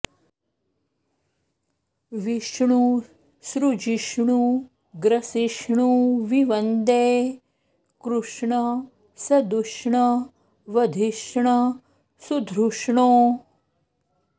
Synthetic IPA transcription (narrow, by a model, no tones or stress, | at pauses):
ʋiʂɳu | sɾud͡ʒiʃɳu | ɡɾɐsiʃɳuʋiʋɐnd̪eː | kɾuʂɳɐ | sɐd̪uʂɳɐ | ʋɐd̪ʱiʃɳɐ | sud̪ʱɾuʂɳoː